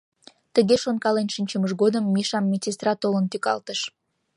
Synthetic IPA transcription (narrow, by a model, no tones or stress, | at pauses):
t̪əɣeʃonkɑlenʃinʲt͡ɕəməʒɣod̪əmːiʃɑmːet͡sest̪rɑt̪olənt̪ykɑ̰lt̪əʃ